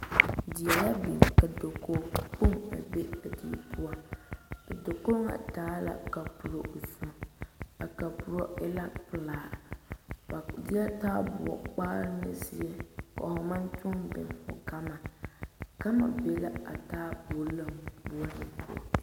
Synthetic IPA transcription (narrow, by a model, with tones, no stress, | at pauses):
di˨a˨ja˦bi˨ŋka˨do˨ko˨po˦ŋa̰˨be˦a˨di˦˨pu˦a˦a˨do˨ko˦ŋa̰˨taː˦la̰˨ka˨pu˨ɾo˨zu˦m˨a˨ka˨pu˨ɾo˦ɪ˦la˦pɨ˨laː˨ | a˨dɪ˦a˦taː˦bʊ̰˨ɔ̰˨k͡pa˦ɾnɨ̰˨si˦ɛ˦ka̰˨hʊ˨ma˦nt͡ʃʊ˦ŋbɪ˨nhʊ̰˨ka˦ma˨ | ka˦ma̰˨be˨˦la˦a̰˨taː˦bo˨˦la˦mbu˦a˦nɨ˨pʊ̰˦ɔ̰˨